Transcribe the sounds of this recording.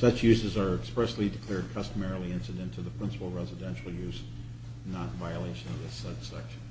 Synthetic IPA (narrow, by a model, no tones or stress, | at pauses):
sʌt͡ʃjʉzɨzə˞ɨkspɹɛslidɨkʰl̥ɛɹd̚kʰʌstəmɛɹl̩ˠiɪ̃nsɨɾɨ̃ntʰuðəpʰɹ̥ɪ̃nsə̥pl̩ˠɹɛzɨdɛ̃nʃl̩ˠjʉz | nãnvaɪɨleɪʃɨ̃nʌvðɪsʌt͡ʃsɛ̰kʃn